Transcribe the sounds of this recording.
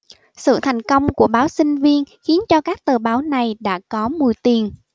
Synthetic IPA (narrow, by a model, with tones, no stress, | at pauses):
sɨ̰˧˨t̪ʰa˨˩jŋ̟kə˧wŋ͡mku˧˩əɓaː˨˦wsï˧ŋ̟vi˧ənxi˨˦ənt͡ɕɔ˧kaː˦˥k̚t̪ɨː˨˩ɓaː˨˦wna˨˩jɗa̰ː˧˥kɔ˨˦mu˨˩jt̪i˨˩ən